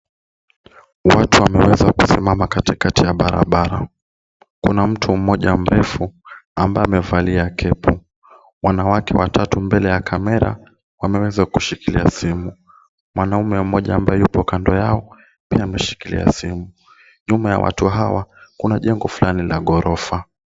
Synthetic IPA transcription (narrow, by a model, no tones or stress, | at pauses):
watuamɛwɛzakusimamakatikatijaɓaɾa̰ɓaɾa | kunam̩tʰum̩mɔʄam̩ɾɛfuambaamɛvaliakʰɛpʰu | mwanawakʰɛwatʰatumbɛlɛjakʰamɛɾa̰ | wamɛwɛzakuʃikilḭasimu | mwʔanaumɛm̩mɔʄaːmbajɛjupɔkandɔjaɔ | piamɛʃi̥kilḭa̰simu | ʄumaja̰wʔa̰tuɦawakunaʄɛŋɡɔfulanilaɠɔɾɔfa